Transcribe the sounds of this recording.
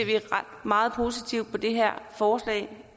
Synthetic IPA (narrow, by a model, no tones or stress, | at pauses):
ɐʋiʁad̥mɑ̈ːð̞̩ˠpʰo̝ːsit͡sʰiʊ̰d̥̚pʰɒ̽d̥e̝ɦeɐ̰fɒːslɛ̰ɪ